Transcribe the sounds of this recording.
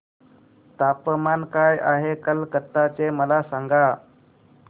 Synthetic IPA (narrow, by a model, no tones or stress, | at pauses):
t̪apəmankajaɦekəlkət̪ːat͡seməlasaŋɡa